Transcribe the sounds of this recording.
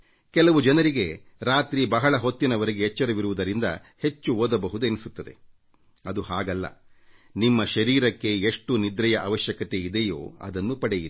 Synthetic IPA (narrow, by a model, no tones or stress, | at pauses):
kɛlɐʋud͡ʒɐnɐɾiɡe̞ | ɾaːt̪ɾibɐɦɐɭɐɦot̪ːinɐʋɐɾeɡeɦɛt͡ʃːɐɾɐʋiɾuʋud̪ɐɾind̪ɐ̰ | he̞t͡ʃːuoːd̪ɐbɐɦud̪uenisut̪ːɐd̪e̞ | ɐd̪uhaːɡɐlːɐ̰ | nimːɐʃɐɾiːɾɐkːe̞eʂʈunid̪ɾɐjɐʔɐːʋɐʃjɐkɐt̪e̞id̪ejo̰ːɐ̰d̪ɐnːupɐɽejiɾi